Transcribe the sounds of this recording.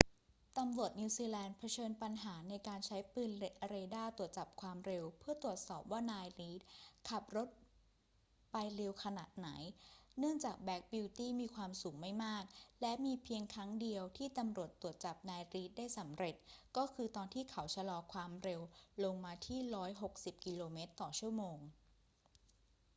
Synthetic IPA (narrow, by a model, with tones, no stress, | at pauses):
t̪a˧mɾu˨˩ət̪̚niː˧wsiː˧lɛː˧npʰa˧t͡ɕʰɤː˧npa˧nɦaː˩˦na˧jkaː˧nt͡ɕʰa˦˥jpɯː˧ne˦ɾe˧daː˥˩t̪u˨˩ət̪̚t͡ɕa˨˩p̚kʰwaː˧mɾe˧wpʰɯ˥˩ɐt̪u˨˩ət̪̚sɔː˨˩p̚waː˥˩naː˧jɾiː˦˥t̪̚kʰa˨˩p̚ɾo˦˥t̪̚ | pa˧jɾe˧wkʰa˧na˨˩t̪̚na˩˦jnɯ˥˩əŋt͡ɕaː˨˩k̚bɛ˦˥k̚bi˧wt̪iː˥˩miː˧kʰwaː˧msuː˩˦ŋma˥˩jmaː˥˩k̚lɛ˦˥miː˧pʰi˧əŋkʰɾa˦˥ŋdi˧əwt̪ʰiː˥˩t̪a˧mɾu˨˩ət̪ːu˨˩ət̪̚t͡ɕa˨˩p̚naː˧jɾiː˦˥t̪̚daː˥˩jsa˩˦mɾe˨˩t̪̚kɔː˥˩kʰɯː˧t̪ɔː˧nt̪ʰiː˥˩kʰa˩˦wt͡ɕʰa˧lɔː˧kʰwaː˧mɾe˧wlo˧ŋmaː˧t̪ʰiː˥˩ɾɔː˦˥jɦo˨˩k̚si˨˩p̚ki˧loː˧meː˦˥t̪ːɔː˨˩t͡ɕʰu˥˩əmoː˧ŋ